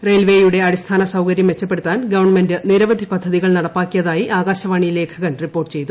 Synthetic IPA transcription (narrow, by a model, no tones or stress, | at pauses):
rejlʋe̞juɽe̞ɐɽist̪ʰaːnɐsɐwkɐɾjɐmʋe̞t͡ɕːɐp̬ːe̞ɽut̪ːaːnɡɐʋɐrɳmendɨniɾɐʋɐd̪ʱipɐd̪ʱːɐðiɣɐɭnɐɽɐpːaːkʲːijɐðaːjiʔaːɣaːɕɐʋaːɳile̞ːkʰɐɣɐnripːo̞ːrʈːɨ̥t͡ɕe̞jt̪ːu